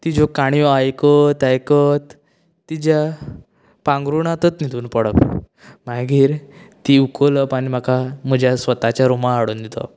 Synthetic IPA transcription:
t̪id͡ʑokaɽ̃jɔajkət̪ajkət̪ː | id͡ʑja | pãŋɡɾuɳat̪ət̪nid̪ʱuːnpəɽəp | m̤aɡiːɾt̪iukʰoləpaɽ̃im̤akam̤əd͡ʑjasʋət̪at͡ɕjaɾomaːɽuːnd̪it̪ɔ̰

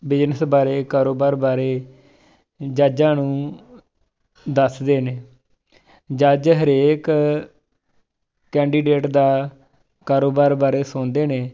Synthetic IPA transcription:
bɪd͡ʒnəsbaːɾeːkaːɾoːbaːɾbaːɾeː | d͡ʒaːd͡ʒãːnũː | d̪əsd̪eːneː | d͡ʒaːd͡ʒɦəɾeːk | kːɛ̃ːɳɖiːɖeːʈd̪aː | kaːɾoːbaːɾbaːɾeːsõːnd̪eːneː

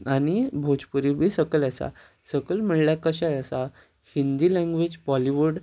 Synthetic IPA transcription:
añibʱod͡ʑpuɾibʱisəkəlasa̰ | səkəlm̤əɭljakəɕajəsa | hind̪ilɛ̃ŋɡʋed͡ʑbɔliʋuɽ

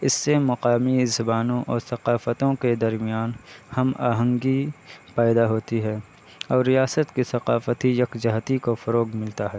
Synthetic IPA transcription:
ɪsːemɐqaːmizɐbaːnõʔɔːɾsɐqaːfət̪õked̪ɐɾmijaːnhɐma̰ːɦə̃ŋɡipɛːd̪aɦoːt̪iɦɛː | ɔːɾːijaːsət̪kisɐqaːfət̪ijɐkd͡ʒɐɦt̪ikofɐɾoːɡmɪlt̪aɦɛː

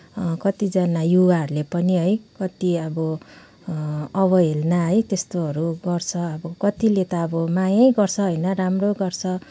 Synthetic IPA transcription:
kʌt̪id͡zʌnajuwaɦʌɾulepʌniɦʌjkʌt̪iʌbʌ | ʌβʌɦelnaɦʌjt̪est̪oɦʌɾuɡʌrt͡sʰʌːbʌkʌt̪ilet̪ʌːbʌmajajɡʌrt͡sʰʌɦʌjnʌɾamroɡʌrt͡sʰʌ

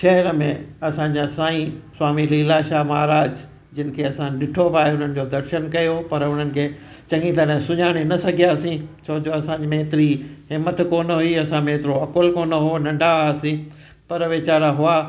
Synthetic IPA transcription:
ʃɐɦɛɾəmẽɐsãɲd͡ʑaːsaːĩswaːmiliːlaːʃaːmaːɾaːd͡ʑ | d͡ʑɪnɪ̆kʰeɐsãɗɪʈʰopaːɦeʊn̤ənɪ̆d͡ʑoːd̪ɐɾʃənkɐjopɐɾʊn̤ənɪ̆kʰeː | t͡ɕɐ̃ŋɡĩt̪ɐɾɛ̃sʊɲaːɽ̃enɐsɐɡʱijaːsĩt͡ɕʰoːd͡ʑoɐsãːɲd͡ʑimeːt̪ɾiɦɪmət̪koːnɦʊiɐsãmeɦt̪ɪɾoɐkʊlkoːnəɦonɐ̃ɳɖaaːsĩ | pɐɾəʋet͡ɕaːɾaɦʊaː

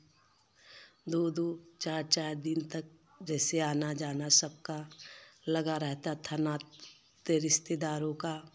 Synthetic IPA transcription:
d̪oːd̪oːt͡ʃaːɾt͡ʃaːɾd̪ɪnt̪ək̚ | d͡ʒɛːseaːnad͡ʒaːnasəb̚kalɐɡaɾɛɦt̪at̪ʰanaː | t̪eɾɪst̪ed̪aːɾõka

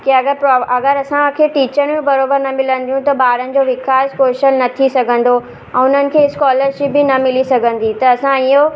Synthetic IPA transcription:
kiɐɡəɾpɾɔːɐɡəɾɐsãɐkʰeːʈiːt͡ɕəñmũbɐɾoːbəɾnɐmɪlə̃n̆d̪ijũt̪ɐbaːɾənɪ̆d͡ʑoːʋɪkaːskoːʃənnɐt̪ʰisɐɡʱə̃n̆d̪o | ɛ̃ːʊn̤ənɪ̆kʰeːskɔːləɾʃɪpbɪnɐmɪlisɐɡʱə̃n̆d̪it̪ɐɐsãiɦo

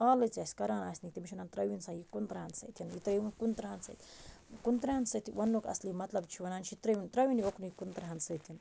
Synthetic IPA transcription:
alet͡sʲasʲkɐɾaːnasʲnik̚t̪emiʃwnant̪ɾɐwinsajikunt̪ɾaansḛt̪ʰʲanjit̪ɾejunkunt̪ɾahansḛjt̪ʰʲkunt̪ɾahanset̪iwɐnːokɐ̰slimɐt̪lɐb̚t͡ʃʰiwanant͡ʃʰit̪ɾɐint̪ɾɐwinioknujikunt̪ɾaɦanset̪ʰʲan

